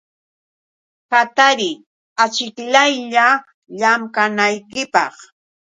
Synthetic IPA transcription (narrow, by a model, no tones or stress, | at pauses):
kat̪aɾɪ | at͡ʃɪkʎajʎa | ʎamkanajkɪpɑ̰χ